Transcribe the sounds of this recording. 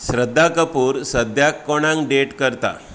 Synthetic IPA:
sɾəd̪ʱːakəpuːɾsəd̪ʱjakːoɽ̃ãŋkɖeʈkəɾt̪a̰

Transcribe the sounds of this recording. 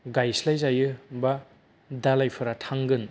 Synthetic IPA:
ɡajslajzajɯba | dalajpʰɯɾatʰaŋɡɯn

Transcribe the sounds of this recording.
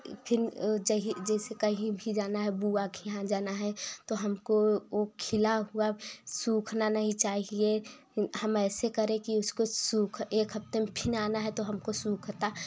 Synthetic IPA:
pʰɪnd͡ʒɛɦid͡ʒɛːsekɐɦĩbʱid͡ʒaːnaɦɛbuakjɐɦãd͡ʒaːnaɦɛt̪oɦɐmkookʰɪlaɦuasuːkʰnanɐɦĩt͡ʃaːɦie | hɐmɛːsekɐɾẽkiʊskosuːkʰeːkɦɐpt̪emepʰɪnaːnaɦɛt̪oɦɐmkosuːkʰt̪a

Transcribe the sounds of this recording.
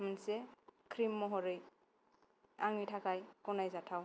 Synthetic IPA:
mansɛkʰɾimːɔɦɔɾɯj | aŋitʰakajkɔnajzatʰaw

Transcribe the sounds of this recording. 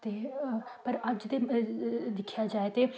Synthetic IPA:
t̪epɐɾɐd͡ʒd̪e | d̪ɪkʰjad͡ʒaːet̪e

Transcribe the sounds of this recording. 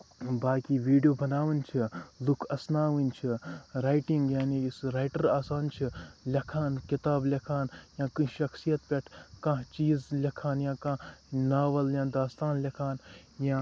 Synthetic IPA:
baːkiʋiːɖijoːbɐnaːʋɨnt͡ʃʰilukʰɐsnaːʋint͡ʃʰiɾaːjʈiŋɡjaːniisɾaːjʈɐɾaːsaːnt͡ʃʰilʲɐkʰaːnkit̪aːblʲɐkʰaːnjãːkɨʃɐxsijɐt̪pʲeʈʰkãɦt͡ʃiːzlikʰaːnjãːkãnaːʋɐljãːd̪aːst̪aːnlɐkʰaːnjã

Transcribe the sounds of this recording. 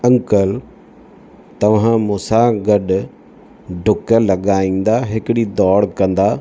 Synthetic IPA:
ɐ̃ŋkəl | t̪ɐʋ̤ãmũːsaɡɐɗʊ | ɖʱʊkə̆lɐɠaːĩːn̆d̪aɦɪkɪɽid̪ɔːɽkɐ̃nd̪aː

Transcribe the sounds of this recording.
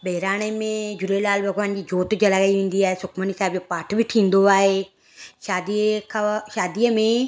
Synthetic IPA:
beːɾaːñeːmẽːd͡ʒʊleːlaːlbʱəɡʋaːnd͡ʒiːd͡ʒoːt̪d͡ʒəlaɡəiːʋẽːnd̪iːɛːsʊkʰmənisaːbd͡ʒoːpaːʈʰbʱiʈʰĩːnd̪oːaːeː | ʃaːd̪ikʰʃaːd̪ijəmẽː

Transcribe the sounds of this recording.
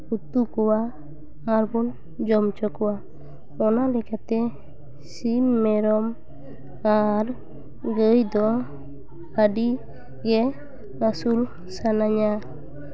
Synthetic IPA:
ut̪ukɔwa | aɾbɔn | d͡ʒɔmt͡ʃɔkɔwa | ɔnalɛkat̪ɛ | simːɛɾɔm | aɾ | ɡəjd̪ɔ | aɖi | ɡɛ | ɾasul | sanaɲa

